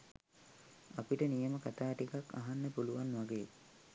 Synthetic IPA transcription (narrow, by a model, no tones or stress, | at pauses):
apiʈənijəməkat̪aːʈikakːa̰ɦanːəpuluʋanʋaɡeː